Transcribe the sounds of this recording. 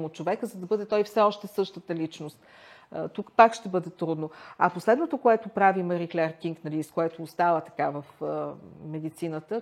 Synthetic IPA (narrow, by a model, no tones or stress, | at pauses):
mot̪̚t͡ʃovɛkəzɐd̪ɐbɤd̪ɛt̪ɔjfsɛɔʃt̪ɛsɤʃt̪ət̪əlit͡ʃnost̪ | t̪ukpakʃt̪ɛbɤd̪ɛt̪ɾud̪noɐposlɛd̪not̪okoɛt̪opɾavimɐɾiklʲɛɾkiŋknɐliːskoɛt̪oːst̪avət̪ɐ̥kavəf | mɛd̪it̪sinət̪ə